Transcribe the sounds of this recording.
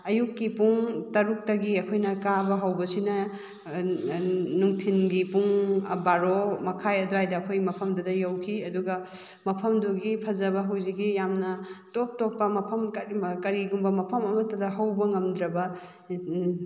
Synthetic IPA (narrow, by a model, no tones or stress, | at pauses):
ɐjukːipuŋtɐɾuk̚tɐɡiɐkʰojnɐkabɐɦɐwbɐsinɐ | nuŋtʰinɡipuŋbaɾomɐkʰajɐduajdɐːkʰojmɐpʰɐmdudɐjɐwkʰiɐduɡɐ | mɐpʰɐmduɡipʰɐzɐbɐɦɐwzikːijamnɐtop̚topːɐmɐpʰɐmkɐɾiɡumbɐmɐpʰɐmɐmɐtːɐdɐɦɐwbɐŋɐmdɾɐbɐ